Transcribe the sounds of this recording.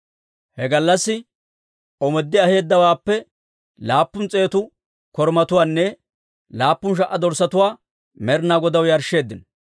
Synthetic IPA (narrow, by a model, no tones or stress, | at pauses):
hɛɡɐlːɐsːɪ | ɔmɛd̪ːɪɐhe̞ːd̪ːɐwaːpːɛ | laːpːʊnt͡sʼe̞ːt̪ʊ | kɔɾmɐt̪ʊwaːnːɛ | laːpːʊnʃ̬ɐʔɐd̪ɔɾsɐt̪ʊwaː | mɛɾnaːɡɔd̪ɐwjɐɾʃːe̞ːd̪ːɪnɔ